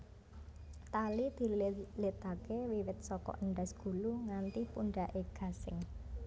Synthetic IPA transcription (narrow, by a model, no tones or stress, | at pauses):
t̪alid̪̥i̤llet̪akewiwɪt̪̚sɔkɔ̰ʔəɳɖasɡ̥ṳluŋant̪ipuɳɖaʔeɡ̥a̤sɪ̰ŋ